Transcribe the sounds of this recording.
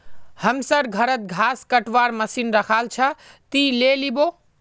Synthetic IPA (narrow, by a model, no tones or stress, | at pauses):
həmsəɾɡʱəɾət̪̚ɡʱaskəʈʋaɾməsinɾəkʰalt͡ʃʰət̪ilelibo